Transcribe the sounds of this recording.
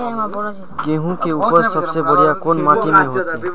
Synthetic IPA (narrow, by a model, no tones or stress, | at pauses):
kẽɦũkeupəɾsəbsebəɽijakonmaʈimẽɦot̪ʰẽ